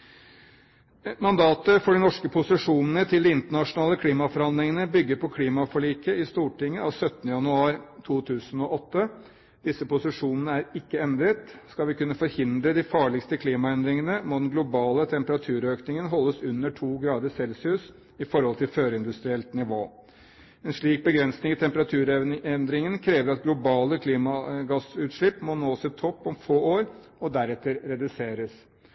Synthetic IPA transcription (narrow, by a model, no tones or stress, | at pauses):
mɑnd̪ɑːt̪əfɔɖɪnɔʂkəpʰʊsɪʂuːnənət̪ʰɪld̪ɪɪnt̪əɳɑʂʊnɑːləkʰliːmɑfɔɾɑnd̪ɾɪŋənəbʏɡːəɾpʰɔkʰliːmɑfɔɭiːkəɪst̪uːʈɪŋːəɑʋsœt̪ːənəjɑnʉɑːɾt̪ʰuːt̪ʰʉːsənɔʔɔt̪ːə | d̪̥ɪsːəpʊsɪʂuːnənəæɾɪkːəɛnd̪ɾət̪skɑlʋɪkʉnːəfɔɾhɪnd̪ɾəd̪ɪfɑːɭɪkst̪əkʰliːmɑɛnd̪ɾɪŋənəmod̪ɛnɡlʊbɑːlət̪ʰɛmpəɾɑt̪ʰʉːɾøːknɪŋənɦɔlːəsʉnːəʈʰuːɡɾɑːd̪əsɛlsʉːs | ɪfɔɾhɔlt̪ʰɪlføːɾəɪnd̪ʉst̪ɾɪɛlt̪nɪʋoː | ɛnʂɭiːk̚bəɡɾɛnsnɪŋɪt̪ʰɛmpəɾɑt̪ʰʉːɾɛnd̪ɾɪŋənkʰɾeːʋəɾɑt̪ɡlʊbɑːləkʰliːmɑɡɑsʉːt̪ʂɭɪpːmonoːsɪt̪ʰɔpːɔmfoːoːɾ | ɔd̪æɾɛt̪ːəɾɾɛd̪ʉseːɾəs